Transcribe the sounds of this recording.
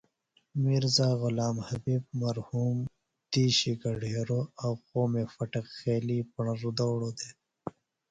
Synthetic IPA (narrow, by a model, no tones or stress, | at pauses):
miɾzaːɣʊlaːmhɐbiːb̚mɐɾhuːm | d̪iːɕiɡɐɖʱeːɾoːaqoːmefɐʈɐkxeːlipɐɳɾud̪owɽoːd̪eː